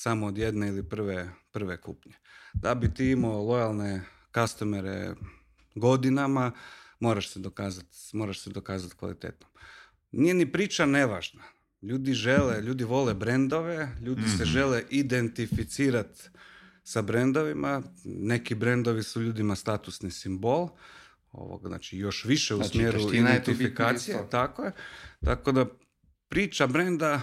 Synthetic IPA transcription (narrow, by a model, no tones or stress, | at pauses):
samoːd̪jed̪neilipr̩ʋepr̩ʋekṵpɲed̪abit̪iimaolˠo̞jalˠne | kast̪omeɾḛ | ɡo̞d̪inamamo̞ɾaʃsed̪okaːzat̪mo̞ːɾaʃsed̪okaːzat̪kʋa̰lḭt̪eːt̪nom | nije̞nipɾiːt͡ʃane̞ʋaʒna | ʎuːd̪iʒeleʎuːd̪iʋo̞lebɾe̞nd̪o̞ʋe̞ʎuːd̪iseʒe̞leʔid̪e̞nt̪ifit̪siːɾat̪ | sabɾend̪o̞ʋimane̞kibɾe̞nd̪oʋisuʎuːd̪imast̪aːt̪usnisimbo̞lˠ | o̰ʋo̰ɡzna̰ːt͡ʃijo̞ʃʋiʃeusmjeːɾuid̪ent̪ifikaːsijet̪akojet̪a̰ko̞d̪a | pɾiːt͡ʃabɾe̞nd̪a